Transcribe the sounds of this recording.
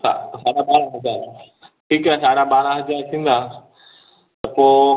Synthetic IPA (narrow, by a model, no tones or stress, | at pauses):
sa̰saːɗaɓaːɾãɦɐzaːɾ | ʈʰiːkasaːɽaɓaːɾãɦɐzaːɾt̪ʰĩːn̆d̪aː | t̪ɐpoː